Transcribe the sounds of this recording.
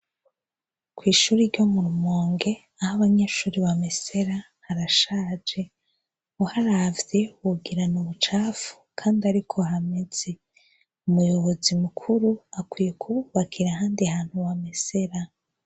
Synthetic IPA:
kwiːʃuːɾiɾɟo̞muɾumoːŋɡe̞ | ahaβaɲeʃuːɾiβamese̞ɾa | haɾaʃaːd͡ʒe̞ | uhaɾavje̞wuɡiɾanuβut͡ʃaːfu̥kʰaːndiaɾikʰo̞ɦame̞z̥e | umujo̞βo̞zimukʰuɾuakwiːje̞kʰuβuβakʰiɾaɦaːndiahaːn̥huwamese̞ɾa

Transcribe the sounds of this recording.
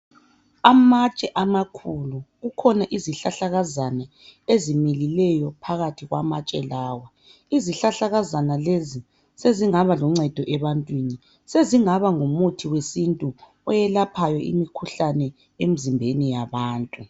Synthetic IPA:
amat͡ʃʼɛʔamakʰuluɣukʰɔnaʔiziɬaɬaɣazanɛ | ezimililɛjɔpʰaɣatʰiɣwa̰mat͡ʃʼɛlaːwa | iziɬaɬaɣazanalezi | seziŋaβalɔŋ͡ǀɛd̥ʱɔʔɛβantʼwini | seziŋaβaŋomutʰiwesintʼu | ɔjɛlapʰajɔḭmikʰuɬanɛ | em̩zimbʱenijaβaːntʼu

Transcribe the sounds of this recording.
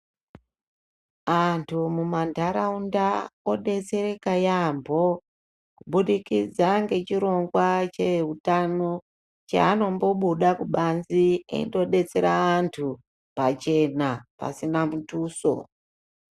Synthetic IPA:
antʰumumandʱaɾaundaoɗe̞t͡se̞ɾe̞kajambʱo̞ | kuɓuɗikid͡zaŋɡe̞t͡ʃiɾo̞ŋɡwat͡ʃe̞utano̞ | t͡ʃa̰ːno̞mbo̞ɓuɗakuɓanziḛndo̞ɗe̞t͡se̞ɾaantʰu | pat͡ʃe̞napa̰sinamutuːso̞̰

